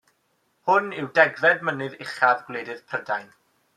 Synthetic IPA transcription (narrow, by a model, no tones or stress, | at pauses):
hʊnɪwdɛɡvɛdmənɨðɪχaðɡleːdɨðpʰrədajn